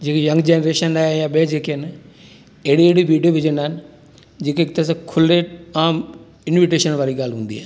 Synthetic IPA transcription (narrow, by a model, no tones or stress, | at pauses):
d͡ʑeːkejɐ̃ŋɡd͡ʑeːnɾeːʃənaːjaɓed͡ʑeːkiənɪ | eɦɽieɦɽiʋiːɖijoʋɪd͡ʑənaːɦɪnɪ̆ | d͡ʑeːkeːk̚t̪əɾəskʰʊleaːm | ɪnʋɪʈ̬eːʃənʋaːɾiɡaːlɦũːn̆d̪iɦa̰ː